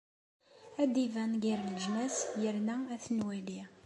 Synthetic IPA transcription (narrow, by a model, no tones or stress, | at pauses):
æd̪ivænɡiɾləʒnæsjəɾnææθnwæli